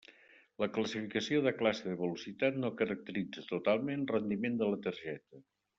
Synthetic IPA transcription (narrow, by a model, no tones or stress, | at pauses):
ləkləsifikəsioðəklasəðəβəlusit̪at̪nokəɾək̚t̪əɾid͡zət̪ut̪alˠmenrənd̪imend̪ələt̪əɾʒɛt̪ə